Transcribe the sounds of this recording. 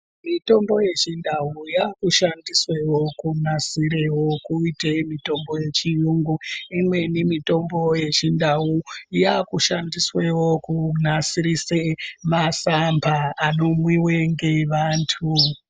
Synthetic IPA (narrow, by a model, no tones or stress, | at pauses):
mito̞mbo̞je̞t͡ʃindaujakuʃandiswewo̞kunasiɾewokuitemito̞mbo̞je̞t͡ʃijuŋɡuimwe̞nimito̞mbo̞je̞t͡ʃindawujakuʃandiswewokunasiɾisemasambʱaːno̞mwiweŋɡe̞ʋaːntʰu